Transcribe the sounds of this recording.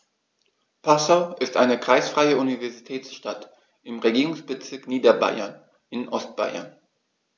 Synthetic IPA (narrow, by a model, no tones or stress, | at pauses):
pʰasaʊʔɪstʔa̰ɪnəkʁ̥aɪsfʁ̥aɪəʔunivɛɐzitʰɛːt͡sʃtat | ʔɪmʁeɡiːʁʊŋsb̥ət͡sɪɐkniːdɐba̰ɪɐn | ʔɪnʔɔst̚b̥a̰ɪɐ̰n